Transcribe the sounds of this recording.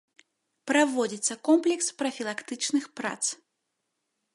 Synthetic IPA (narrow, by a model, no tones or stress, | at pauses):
pɾavɔd͡zʲit̪sːɐkɔmplʲɛkspɾɐfʲilˠakt̪ɨt͡ʂnɨxpɾa̰t̪s